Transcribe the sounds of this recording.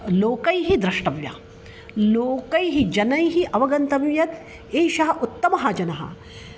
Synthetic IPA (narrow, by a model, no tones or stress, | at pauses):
loːkɐjɦid̪ɾɐʂʈɐʋjɐ | loːkɐjɦid͡ʒɐnɐjɦiʔɐʋɐɡɐnt̪ɐmjɐt̪ | eːʃɐɦɐʔut̪ːɐmɐɦɐd͡ʒɐnɐɦɐ̰